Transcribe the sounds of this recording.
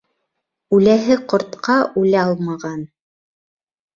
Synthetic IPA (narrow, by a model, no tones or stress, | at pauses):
ʉlæɦɘqŏɾt̪qɑʔʉlæɑlˠmɑʁɑn